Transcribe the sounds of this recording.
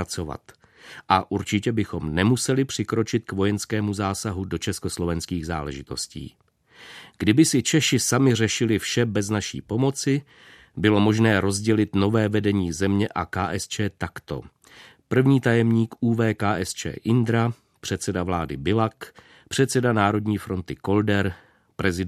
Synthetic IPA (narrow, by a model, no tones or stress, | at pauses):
at͡sova̰t̪ | ʔaʔuɾt͡ʃɪcɛbɪxo̞mnɛmusɛlɪpr̝̥ɪkɾo̞t͡ʃɪt̪̚kvo̞jɛnskɛːmuzaːsaɦudo̞t͡ʃɛsko̞slo̞vɛnskiːɣza̰ːlɛʒɪt̪o̞scḭː | ɡdɪbɪsɪt͡ʃɛʃɪsamɪr̝ɛʃɪlɪfʃɛbɛznaʃḭːpo̞mo̞t͡sɪ | bɪlo̞mo̞ʒnɛːɾo̞zɟɛlɪt̪no̞vɛːvɛdɛɲiːzɛmɲɛʔakaːʔɛst͡ʃɛːt̪akt̪o̞̰ | pr̩vɲiːt̪ajɛmɲiːkʔuːvɛːkaːʔɛst͡ʃɛ̰ːʔɪnd̪ɾa | pr̝̥ɛt̪sɛdavlaːdɪbɪlak | pr̝̥ɛt̪sɛdanaːɾo̞dɲiːfɾo̞nt̪ɪko̞ldɛɾ | pɾɛzɪ